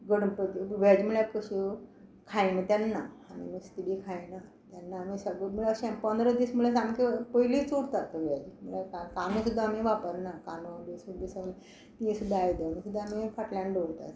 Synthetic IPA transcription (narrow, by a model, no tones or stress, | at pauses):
ɡəɽmpət̪iʋad͡ʑim̤uɭakəɕukʰajnət̪janːaamḭmist̪iɽikʰajna | t̪janːamisəɡəmulaɕãpənd̪ɾəd̪iːsmulasãŋkepəilit͡soɽt̪at̪əʋad͡ʑimulakakanũsud̪ʱːaːmiʋapəɾnakanualesud̪isəɡlə | t̪ĩsud̪ʱːaːjd̪əmisud̪ʱːaːmifaʈlãɳɖoɽt̪a̰t̪